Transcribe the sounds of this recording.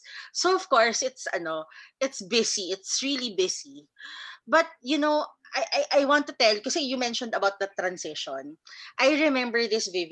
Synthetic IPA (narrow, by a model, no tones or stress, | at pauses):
soɔv̥kɔɹsɪt̪sɐ̰noʔɪt̪sbɪsiɪt̪sɹilibɪsi | bɐt̪̚jʊnoajʔajʔajwɑ̃nt̪ːʊt̪ɛlkɐsɛjʊmɛnʃɔ̃nd̪ɐbawt̪̚d̪ɐt̪ɾɐ̃nsɪʃɔ̰̃nʔajɹɛmɛ̃mbəɹðɪsvɪv